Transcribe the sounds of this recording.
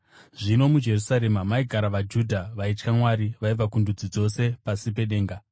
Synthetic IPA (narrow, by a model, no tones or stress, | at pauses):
ʐ̥ino̞mud͡ʒe̞rusaɾe̞mamaiɡʱaɾaʋad͡ʒudʱaʋait͡ʃkamwaɾiʋaiʋakundud͡zid͡zo̞se̞pasipe̞ɗe̞ːŋɡa